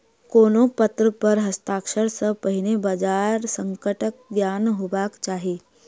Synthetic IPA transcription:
koːnopət̪ɾəpəɾɦəst̪aːkʃəɾsəpəɦinebad͡ʒaɾsəŋkəʈək̚ɡjaːnɦobakt͡ʃaːɦe

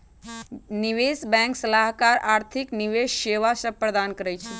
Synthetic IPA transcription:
niʋesbɛ̃ŋksəlaɦkaɾaːɾt̪ʰikniʋeʃːeʋasəpɾəd̪ankəɾɛjt͡ʃʰɛ

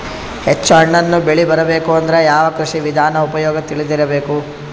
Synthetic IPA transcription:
het͡ʃːuɐɳːɐnːubeɭibɐɾɐbe̞ːkuɐnd̪ɐɾejaːʋɐkɾuʂiʋid̪ʱaːnɐupɐjɔːɡɐt̪iɭid̪iɾɐbe̞ːku

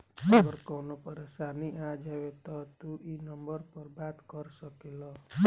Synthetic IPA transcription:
aɡəɾkɔnopəɾesaniʔad͡ʒaʋet̪ɔt̪uʔinɔmbəɾpəɾbat̪kɔɾsəkelɔ

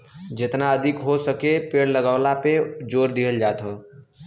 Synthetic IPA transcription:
d͡ʒet̪naəd̪ʱikɦosəkepeɽləɡaʊlaped͡ʒoɾd̪iɦəld͡ʒat̪ɦə

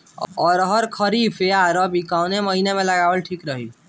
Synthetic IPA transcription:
ɔːɾəɦəɾkʰəɾipʰeaɾəbikaʊneməɦinemẽləɡabəlʈʰikɾəɦi

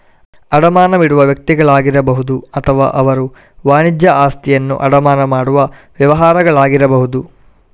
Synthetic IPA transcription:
ɐɽɐmaːnɐʋiɽuʋɐʋjɐk̚t̪iɡɐɭaːɡiɾɐbɐɦud̪uɐt̪ʰɐʋa̰ːʔɐʋɐɾu | ʋaːnid͡ʒjɐʔaːst̪ʰijɐnːṵʔɐ̰ɽɐmaːnɐmaːɽuʋɐʋjɐʋɐɦaːɾɐɡɐɭaːɡiɾɐbɐɦud̪u

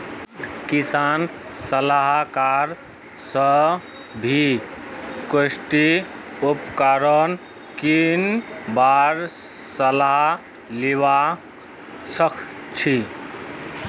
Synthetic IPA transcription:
kisansəlaɦkaɾ | sə | bʱi | kəsʈ̪iupkaɾən | kinbaɾ | səlaɦ | liwa | səkʰt͡ʃʰi

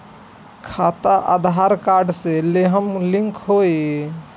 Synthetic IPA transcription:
kʰat̪aʔa̰d̪ʱɦaɾkaɾɖseleɦəmlĩŋkɦoj

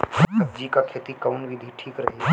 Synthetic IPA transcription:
ɐd͡ʒikakʰeːt̪ikɐʊnbʱid̪ʱiʈʰiːkɾɐɦe

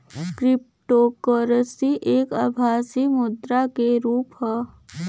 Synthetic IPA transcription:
kɾɪp̚ʈoːkəɾəsiʔeːkəbʱaːsimʊd̪ɾakeɾuːpɦɛː

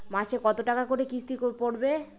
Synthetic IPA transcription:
maʃʰekɔt̪oʈakakoɾekist̪ikoɾpoɾbe

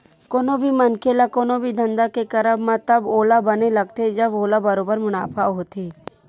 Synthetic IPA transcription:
koːnobʱimɐnkʰelakoːnobʱid̪ʱə̃nd̪akekɐɾəbmãt̪ɐboːlabɐnelɐɡ̚t̪ed͡ʒɐboːlabɐɾoːbəɾmʊna̰ːpʰaɦoːt̪eː

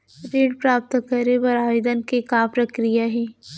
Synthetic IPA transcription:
ɾeːɖpɾaːp̚t̪kəɾeʋɐɾaːjɪd̪ənkekapɾɐkɾijaɦɛː

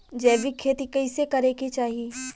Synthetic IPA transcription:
d͡ʒɛːʋikʰːeːt̪ikɐɪsekɐɾeːkit͡ʃaːɦieː

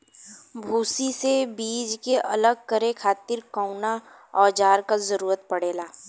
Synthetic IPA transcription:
bʱuːsisebiːd͡ʒkeʔɐləɡ̚kəɾekʰaːt̪ɪɾkəʊna | ɔːd͡ʒaːɾkazɐɾuːɾət̪̚pɐɽeːlaː

